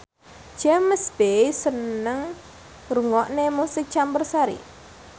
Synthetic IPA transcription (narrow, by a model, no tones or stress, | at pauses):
d͡ʒɛməsbesənəŋ | ruŋɔʔnemusɪk̚t͡ʃambərsaɾḭ